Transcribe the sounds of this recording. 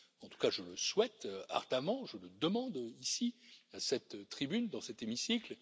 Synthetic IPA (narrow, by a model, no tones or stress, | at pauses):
ɑ̃t̪u̥kaʒələswɛt̪a̰ʁd̪amɑ̃ʒələd̪əmɑ̃d̪isiasɛt̪ːχibynd̪ɑ̃sɛt̪emisikl